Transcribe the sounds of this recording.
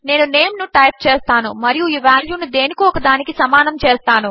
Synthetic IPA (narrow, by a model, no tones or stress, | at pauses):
ne̞ːnune̞ːmnuʈɐjp̚t͡ʃeːst̪aːnumɐɾijuiːʋaːljuːnud̪e̞ːnikiɔkɐd̪aːnikisɐmaːnɐmt͡ʃeːst̪aːnu